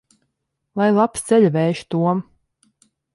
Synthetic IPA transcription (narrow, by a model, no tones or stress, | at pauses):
lˠajlˠapst̪sɛʎʲvɛːʃt̪uɔm